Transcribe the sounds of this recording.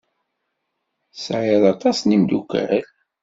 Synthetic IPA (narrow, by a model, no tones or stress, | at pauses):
sʕɪðˤɑt̪ˤɑsnimd̪ukæl